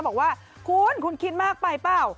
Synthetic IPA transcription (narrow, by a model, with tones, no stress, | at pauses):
bɔː˨˩k̚waː˥˩ | kʰu˧nkʰu˧nkʰi˦˥t̪̚maː˥˩k̚pa˧jpaː˧˥˩w